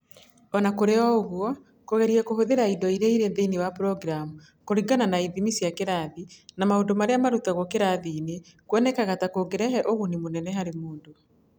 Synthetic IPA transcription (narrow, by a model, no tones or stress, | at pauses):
ɔnakoɾeɔoɣwɔ | koɣɛɾiɛkohoðeɾaidɔiɾeiɾenðeinewapɾɔɡɾamu | koɾiŋɡananaiðimisiakeɾaðinamaondomaɾeamaɾutaɣwɔkeɾaðiːne | kwɛnɛkaɣatakoɡeɾɛɦɛʔoɣunemonɛnɛɦaɾemoːndo